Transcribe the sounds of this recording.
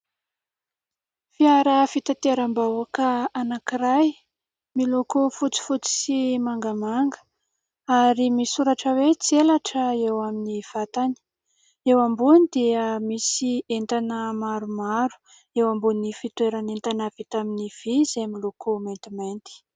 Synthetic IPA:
fiaɾəfit̪at̪iaɾambawakəanakiɾaj | milokofut͡si̥fut͡si̥simaŋɡamaŋɡə̥ | aɾimisuɾaʈ͡ʂəwet͡sielaʈ͡ʂəewaminiv̥at̪ani̥ | ewambunid̪iəmisient̪anəmaɾumaɾu̥ | ewambunifit̪weɾanent̪anavit̪aminiv̥izemilokʰoment̪iment̪i̥

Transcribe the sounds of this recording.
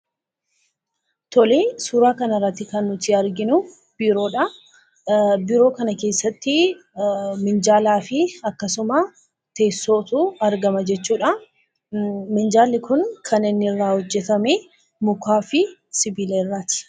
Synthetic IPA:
t̪ɔleːsuːɾaːkɐnɐrːɐt̪ːɪkɐnːʊt̪ɪɐɾɡɪnʊ | b̥ɪɾo̞ːᶑɐ | bɪɾo̞ːkɐnɐke̞ːsːɐt̪ːɪ | mɪnd͡ʒaːlaːfɪɐkːɐsʊmɐ | t̪e̞ːsːo̞ːt̪ʊɐɾɡɐmɐd͡ʒɛt͡ʃːuːᶑɐ | mɪnd͡ʒaːlːɪkʊnkʰɐnɪnːɪrːaːhɔd͡ʒːɛt̪ɐme | mʊkaːfɪsɪbɪleːrːɐt̪ɪ̥

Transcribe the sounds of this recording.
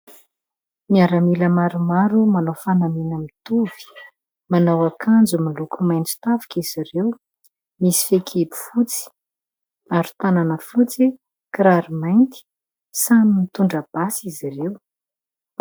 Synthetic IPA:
miaɾamiləmaɾumaɾumanawfanaminəmit̪uv̥i̥ | manawakʰand͡zumalukumajnt͡si̥t̪avi̥kiz̥iɾew | misi̥fekʰebu̥fut͡si̥ | aɾu̥t̪ananəfut͡si | kɾaɾimajnt̪i̥ | saminit̪uɳɖ͡ʐəb̥asizirew

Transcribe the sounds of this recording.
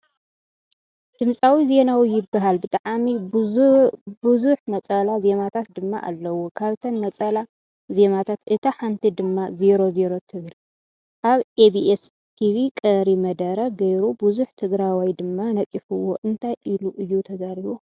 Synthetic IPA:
d̪̥ɨmsʼawizenawijɪbːaɦalbɨt̪ʼaʕami | bɨzuħmɐt͡sʼɐlaze̞mat̪ʰat̪̚d̪ɨmːa̰ʔa̰lːɐwːokʰaβt̪ʰɐnmɐt͡sʼɐla | ze̞mat̪ʰat̪ɨt̪ʰɐħant̪ʰid̪ɨmːaze̞ɾo̞ze̞ɾo̞t̪ʰɨβɨl | ʔaβebiʔes | t̪ʰiβikʼɐɾimɐd̪ɐɾɐɡɐjɾubuzuħt̪ʰɨɡɾawajd̪ɨmːanɐkʼːifɨwo̰ʔɨnt̪ʰajʔiluʔɨjːut̪ʰɐɡaɾiβu

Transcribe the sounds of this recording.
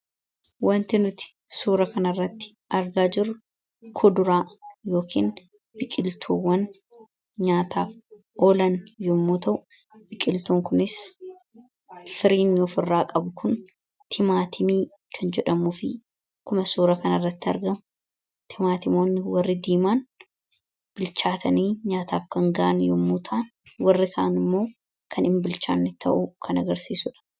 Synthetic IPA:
wɐnt̪ɪnʊt̪ɪ̥ | suːɾɐkɐnɐrːɐt̪ːɪ̥ | ʔɐɾɡaːd͡ʒɪɾʊ | kʰɔd̪ʊɾaːjo̞ːkʰḭːn | b̥ɪkʼɪlt̪ʰuːwːɐn | ɲaːt̪ʰaːf | oːlɐnjʊmːoːt̪ɐʔʊ | b̥ɪkʼɪlt̪uːŋkʊnɪs | fɪɾiːnɔfɪrːaːkʼɐbʊkʰʊn | t̪ʰɪmaːt̪ʰɪmiː | kʰɐnd͡ʒɛᶑɐmuːfɪ | kʊmɐsuːɾɐkɐnɐrːɐt̪ːɪɐ̰ɾɡɐmʊ | t̪ʰɪmaːt̪ɪmoːnːɪwɐrːɪd̪iːmaːn | b̥ɪlt͡ʃaːt̪ʰɐniːɲaːt̪aːfkɐŋɡɐʔɐnjɔmːuːt̪ʰaːn | wɐrːɪkɐʔɐnɪmːo̞ː | kʰɐnɪmbɪlt͡ʃa̰ːnːɪt̪ʰɐ̰ʔʊkʰɐnɐɡɐɾsiːsʊᶑɐ̥

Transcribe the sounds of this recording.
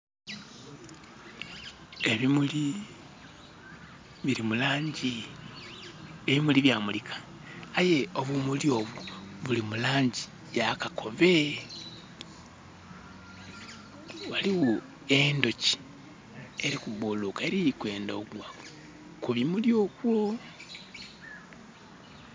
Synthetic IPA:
eβimuli | βiɾimulaːɲɟi | eβimuliβjaːmulikʰḁː | je̞o̞βumuljo̞ːβuβulimulaːɲɟi̥ | jakakʰo̞βe̞ | waliɣu | endo̞ci̥ | e̞ɾikuβulukaeɾijikwe̞ːndoɡwa | kuβimuljo̞ːkwo̞

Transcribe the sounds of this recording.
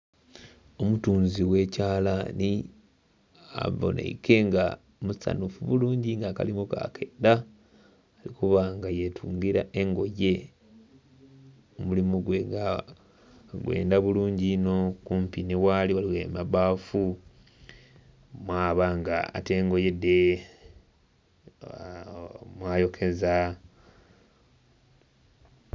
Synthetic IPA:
o̞mutuːnziwe̞ːcaːlani | a̰βo̰nʔḛike̞ŋɡa | musa̰nufuβuluːɲɟiŋɡaka̰limuka̰kʰendaː | likuβaŋɡajetʰuːŋɡiɾaʔe̞ŋɡo̞je̞ | mulimuɡweŋɡa | ɡwe̞̰ːndaβuluːɲɟinokumpineβwaːliwaliwemaβaːfu | mwaːβaŋɡaa̰te̞ːŋɡo̞je̞de | mwaːjo̞kʰe̞za

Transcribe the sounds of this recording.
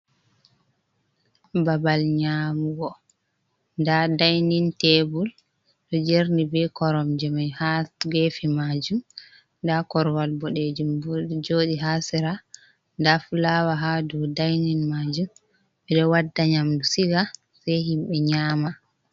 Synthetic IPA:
babalɲamuɡɔ | ndadajnintebul | ɗɔd͡ʒeɾnibɛkɔɾɔmd͡ʒɛmajhaɡefimad͡ʒum | ndakɔɾwalbɔɗed͡ʒumbud͡ʒoːɗiɦasɛɾa | ndafulawaɦadɔdajninmad͡ʒum | ɓɛɗɔwadːaɲamdusiɡa | sajhimɓɛɲaːma

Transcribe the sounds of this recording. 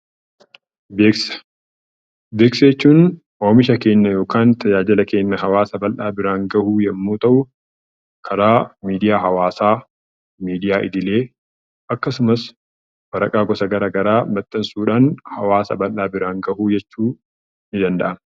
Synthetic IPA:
beːksɐ̥ | be̞ːksɐɛt͡ʃːuːn | waːmɪʃɐke̞ːnːɐjo̞ːkaːnt̪ʰɐd͡ʒaːd͡ʒɪlɐke̞ːnːɐɦɐwaːsɐbɐlʔaːbɪɾaːŋɡɐhuːjɛmːuːt̪ʼɐʔʊ | kʰɐɾaːmiːd̪ɪjaːɦɐwaːsaː | miːd̪ɪjaːʔɪd̪ɪle̞ː | ʔɐkːɐsʊmɐs | bɐɾɐkʼaːɡɔsɐɡɐɾaːɡɐɾaːmɐt̪ʼːɐnsuːᶑaːnhɐwaːsɐ̰bɐlʔaːbɪɾaːŋɡɐhuːd͡ʒɛt͡ʃːuː | nɪd̪ɐnd̪ɐ̰ʔɐn

